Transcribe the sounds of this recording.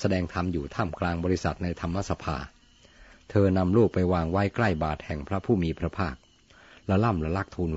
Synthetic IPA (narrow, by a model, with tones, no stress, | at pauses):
sa˧dɛː˧ŋt̪ʰa˧mjuː˨˩t̪ʰaː˥˩mklaː˧ŋbɔː˧ɾi˦˥sa̰˨˩t̪̚na˧jt̪ʰa˧mːa˧˥sa˧pʰa̰ː˧ | t̪ʰɤː˧na˧mluː˥˩k̚pa˧jwaː˧ŋwa˦˥jkla˥˩jbaː˨˩t̪̚hɛ˨˩ŋpʰɾa˦˥pʰuː˥˩miː˧pʰɾa˦˥pʰaː˥˩k̚ | lɛ˦˥la˥˩mla˧˥la˦˥k̚t̪ʰuː˧n